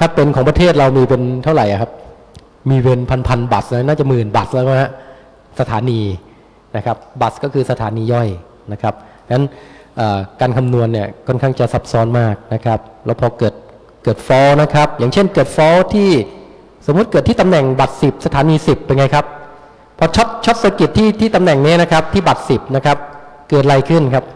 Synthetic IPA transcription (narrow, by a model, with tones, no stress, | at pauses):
kʰa˦˥˩pːe˧nkʰɔː˩˦ŋpɾa˧t̪ʰeː˥˩t̪̚ɾa˧wmiː˧pe˧nt̪ʰa˥˩wɾa˨˩jʔa̰˨˩kʰa˦˥p̚ | miː˧we˧npʰa˧npʰa˧nba˨˩s̚la˦˥naː˥˩t͡ɕa˨˩mɯː˨˩nba˨˩laː˦˥kɔ˥˩ɦa˦˧˥ | sa˧t̪ʰaː˩˦niː˧ | na˦˥kʰa˦˥p̚ba˨˩s̚kɔː˥˩kʰɯː˧sa˧t̪ʰaː˩˦niː˧jɔ˥˩j | na˦˥kʰɾa˦˥p̚ | a˦˥nʔaː˨˩kaː˧nkʰa˧mnu˧ənːi˥˩ɐkʰɔ˥˩nkʰa˥˩ŋt͡ɕa˨˩sa˦˥p̚sɔː˦˥nmaː˥˩k̚na˦˥kʰɾa˦˥p̚lɛː˦˥wpʰɔː˧kɤː˨˩t̪̚ | kɤː˨˩t̪̚fɔː˦˥wna˦˥kʰɾa˦˥p̚jaː˨˩ŋt͡ɕʰe˥˩nkɤː˨˩t̪̚fɔː˦˥wt̪ʰiː˥˩ | so˩˦mː˦u˦˥t̪̚kɤː˨˩t̪ʰːiː˥˩t̪a˧mnɛ˨˩ŋba˨˩t̪̚si˨˩p̚sa˧t̪ʰaː˩˦niː˧si˨˩p̚je˧ŋa˧˦jkʰa˦˥p̚ | pʰːɔː˧t͡ɕʰo˦˥t̪̚t͡ɕʰo˦˥t̪̚so˧ki˨˩t̪ʰːiː˥˩t̪ʰiː˥˩t̪a˧mnɛ˨˩ŋni˦˥na˦˥kʰɾa˦˥p̚t̪ʰiː˥˩ba˨˩t̪̚si˨˩p̚na˦˥kʰɾa˦˥p̚ | kɤː˨˩t̪̚ɾa˧jkʰɯ˥˩nkʰa˦˥p̚